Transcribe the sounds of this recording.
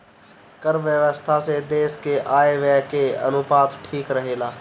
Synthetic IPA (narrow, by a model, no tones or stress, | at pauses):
kəɾʋjəʋəst̪ʰased̪eːskeʔaːeʋɛɦkeə̰nʊpaːt̪ʈʰiːkɾəɦeːlaː